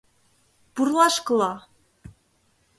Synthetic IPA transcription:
purlˠɑʃkɤ̆lɑ

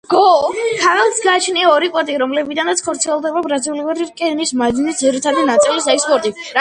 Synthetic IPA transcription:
ɡ̥ɔk̪ʰaʁɛlˠsɡaːt͡ʃʰniaɔɾipʼɔɾt̪ʼiɾɔmlɛbid̪anat̪sʰχʰɔɾt̪sʰiɛlˠd̪ɛbabɾaziuliaɾiɾkʼɛnismazinisd̪ziɾit̪ʰad̪inat̪sʼilisɛkspʼɔɾt̪ʼiɾa

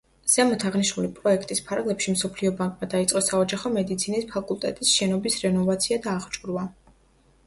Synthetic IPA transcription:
z̥ɛmɔt̪ʰaʁniʃnulipʼɾɔɛkʰt̪ʼispʰaɾɡlɛpʃimsɔpʰliɔbaŋkʼmad̪ait̪sʼɔsaɔd͡ʒaχɔmɛd̪it̪sʰinispʰakʼulˠt̪ʼɛt̪ʼisʃɛnɔbisɾɛnɔvat̪sʰiad̪aːʁt͡ʃʼuɾva

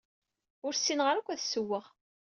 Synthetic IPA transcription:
ʊɾsːinʁəɾækʷːæθsəwːəʁ

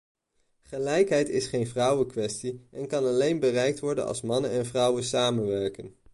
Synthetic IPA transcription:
χəlɛjkɦɛjtɪsχejnvrʌwəkʋɛstiʔɛnkɑnɑlejnbərɛjk̚tʋɔɹdənɑ̰lˠsmɑnənɛnvrʌwəsaːmənʋɛɹkən

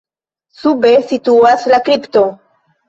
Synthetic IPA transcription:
sube̞situaslakɾipto̞

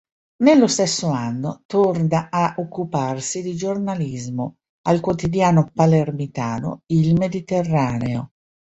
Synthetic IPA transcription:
nelːost̪esːoanːot̪ord̪aaʔokːuparsid̪id͡ʒornalizmo | alkwot̪id̪jaːnopalermit̪aːno̰ilmed̪it̪erːaːneo̰

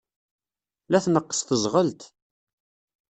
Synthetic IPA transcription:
læθnəqːə̥sθəzʁəlt̪

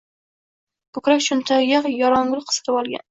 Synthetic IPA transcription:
kʊkɾakʃʰʊnt̪ʰajʲaqjɒɾɒŋɡʊlˠqʰə̥sɨ̥t̪ɪbɒlˠɡʲa̰n

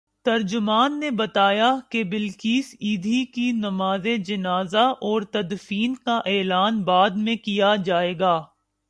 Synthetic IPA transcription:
t̪ɐɾd͡ʒʊmaːnːebɐt̪aːjakebɪlkiːsiːd̪ʱikinɐmaːzed͡ʒɐnaːzaʔɔːɾt̪ɐd̪fiːnkaʔɛːlaːnbaːd̪mẽkijad͡ʒaːeːɡaː

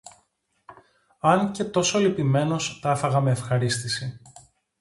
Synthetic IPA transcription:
ɐnce̞t̪o̞solipime̞no̞st̪ɐfɐɣɐme̞ːfxɐɾist̪isi

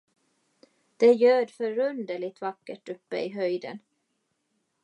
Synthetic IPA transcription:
d̪̥ɛjøːɖfœɾɵnd̪əɭɪt̪vakːəʈɵpːə̰ɪɦœjd̪ə̰n

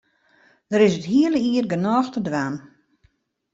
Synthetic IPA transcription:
d̥əɾɪsətɦiələiərɡənɔːxtədʋaːn

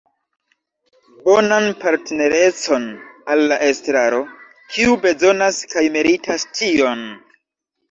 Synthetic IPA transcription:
bo̞nanpaɾtene̞ɾe̞t͡so̞nalːaʔe̞stɾaɾo̞ | kʰiube̞zo̞naskajmeɾitastio̞n

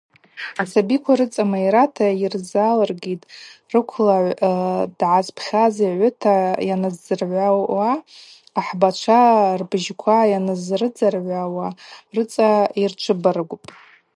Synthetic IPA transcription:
asabikʷʰaɾɨt͡sʼamaiɾatʰairzalarɡitʼrɨkʷʰlaʕʷd̥ʕazpʰχʲaziʕʷʊtʰajanazd͡zɨrʕʷaaː | ħbat͡ʃʷʰarbʒkʷʰajanɨzrɨd͡zarʕʷawarɨt͡sʼairt͡ʃʷʰɨbaɾɨɡʷʊpʼ

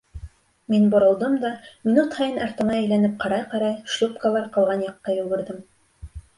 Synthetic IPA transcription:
minbŏɾɤ̆lˠd̪ɤmd̪ɑmʲinut̪hɑjɤnɑɾt̪ɤ̆nɑæjlænɘp̚qɑɾɑjqɑɾɑjʃlʲˠupkalˠɑɾqɤ̆lˠʁɑnjɑqːɑjɵ̆lɡɘ̆ɾðɘm

